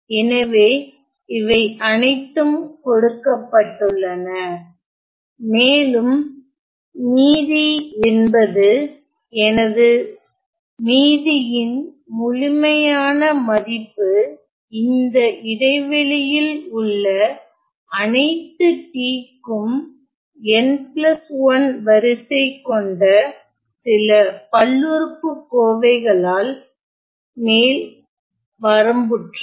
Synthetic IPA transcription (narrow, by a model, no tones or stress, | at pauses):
ɛnɐʋeː | ɪʋɐɪʔɐnɐɪt̪ːɯmkɔɽɯkːɐpːɐʈːɯɭːɐnɐ | meːlɯm | niːðiɛnbɐðɯ | ɛnɐðɯ | niːðɪjɪn | mʊɻɪmɐjaːnɐmɐðɪpːɯ | ɪnd̪ɐʔɪðɐɪʋɪlɪjɪlʊɭːɐ | ɐnɐɪt̪ːɯʈiːkːɯm | ɛnplɐsʋɐnʋɐɾɪsɐɪkːɔɳɖɐ | sɪlɐpɐɭːɯɾɯpːɯkːoːʋɐɪɣɐɭaːl | meːl | ʋɐɾɐmbɯʈr